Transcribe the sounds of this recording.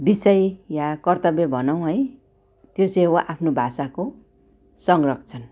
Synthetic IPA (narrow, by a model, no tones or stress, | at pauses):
bisʌjjakʌrt̪ʌbjebʱʌnʌw̃ɦʌj | t̪joseɦowaʔapʰnobʱasako | sʌŋrʌkʰt͡sʰʌn